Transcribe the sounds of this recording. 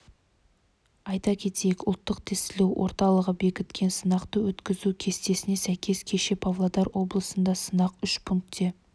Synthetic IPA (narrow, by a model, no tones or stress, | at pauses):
ɑjt̪ɑkʲʰe̞t̪e̞jekʊlˠt̪ːəqt̪ʰest̪ɪlewʔo̞̰ɾt̪ɑlˠəʁəbe̞kʲɪt̪kʲe̞nsənɑqt̪əwɵt̪kʲɪzukʲʰe̞st̪e̞sɪne̞sæjkʲe̞skʲʰe̞ʃe̞pʰavlˠad̪ɑɾwʔo̞blˠəsənd̪ɑsənɑqʏʃpʰʊŋk̚t̪ʰːe̞